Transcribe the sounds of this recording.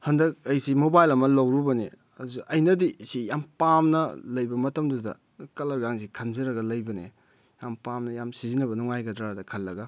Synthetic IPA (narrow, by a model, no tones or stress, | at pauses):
hɐndɐk̚ɐjsimobajlɐmɐlɐwɾubɐnḛ | ɐzuʔɐjnɐdisijampamnɐlɐjbɐmɐtɐmdudɐ̰ | kɐlɐɾɡaŋzikʰɐnzɐɾɐɡɐlɐjbɐnḛ | jampamnɐjamsizinɐβɐnuŋajɡɐdɾadɐkʰɐlːɐɡɐ